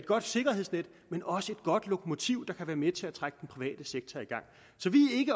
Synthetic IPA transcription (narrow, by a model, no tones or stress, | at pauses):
ed̥ɡ̥ɒ̽d̥se̝ɡ̥ɐɦe̝ð̰ˠsned̥ | menɒ̽səe̝d̥̚ɡ̥ɒ̽d̥lo̝kʰo̝mo̝t͡sʰiʊ̰d̥ɑ̈kʰæʋæːɐmet͡sʰe̝æt͡sʰʁaɡ̥əd̥enpʰʁiʋɛ̰ːd̥əseɡ̥̚t͡sʰɐiɡ̥ɑ̈ŋ̰ | sɒ̽ʋiæe̝ɡ̥ə